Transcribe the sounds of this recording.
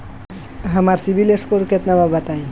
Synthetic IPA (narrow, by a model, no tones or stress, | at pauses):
ɦɐmaɾsibileskoɾket̪nababɐt̪aĩ